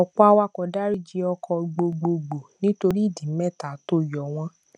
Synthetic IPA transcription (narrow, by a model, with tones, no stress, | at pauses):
ɔ˨k͡pɔ˦a˧wa˧kɔ˨da˦ɾi˦d͡ʒi˧˦ɔ˧kʰɔ˧ɡ͡bo˧ɡ͡bo˧ɡ͡bo˨nĩ˦to˧ɾi˦i˦˨dĩ˨˦mɛ˦˨ta˨to˦jɔ˨w̃ɔ̃˦